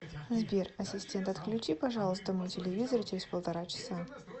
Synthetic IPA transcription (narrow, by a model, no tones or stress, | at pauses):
zbʲerɐsʲɪsʲtʲe̞nt̪ɐt̪klʲʉt͡ɕipɐʐɑlˠəst̪əmɨjtʲɪlʲɪvʲizərt͡ɕɪɾʲɪz̥ʲpəlˠt̪ɐɾat͡ɕɪ̥sa